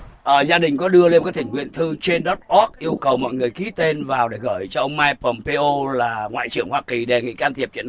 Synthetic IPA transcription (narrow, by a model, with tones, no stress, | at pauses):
ʔəː˨˩zaː˧ɗï˨˩ŋ̟kɔ˨˦ɗɨ˧əle˧mkaː˨˦˥kt̪ï˧˩ŋ̟hwḭ˧˨ənt̪ʰɨ˧t͡ɕe˧nɗɔ˦˥t̚ʔɔ˦˥k̚ʔi˧əwkə˨˩wmɔ̰˧˨jŋɨ˨˩əjki˨˦t̪e˧nvaː˨˩wɗe˧˩ɣəː˧˩jt͡ɕɔ˧ʔə˧wŋ͡mmaː˧jpə˨˩mpe˧ʔo˧laː˨˩ŋwa̰ː˧˨jt͡ɕɨ˧˩əŋhwaː˧ki˨˩ɗe˨˩ŋḭ˧˨kaː˧nt̪ʰi˨˩əp̚t͡ɕə̰˧˨n